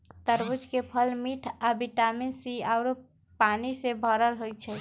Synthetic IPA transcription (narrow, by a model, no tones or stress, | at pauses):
t̪əɾbud͡ʒkepʰəlmiʈʰabiʈaminsiaʊɾ | panisebʱəɾəlɦojt͡ʃʰɛ